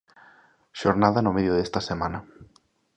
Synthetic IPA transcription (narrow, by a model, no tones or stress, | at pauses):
ʃoɾnaðɐnʊmeðjoðest̪ɐsemanɐ